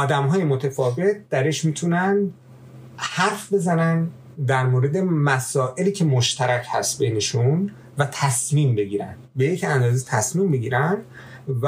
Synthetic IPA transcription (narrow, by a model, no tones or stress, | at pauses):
ɒːd̪æmɦɒːjemo̞t̪ʰefɒːve̞t̪̚d̪̥æɾeʃmiːt̪ʰunænd̪ | hæɾfbe̞zænænd̪ | d̪æɾmoːɾe̞d̪e̞mæsɒːʔeliːcʰe̞moʃt̪ʰæɾæcʰhæst̪bejne̞ʃun | væt̪ʰæsmiːmbe̞ɟiːɾæ̰nd̪̥be̞jecænd̪ɒːzet̪ʰæsmimbeɟiːɾæn | væ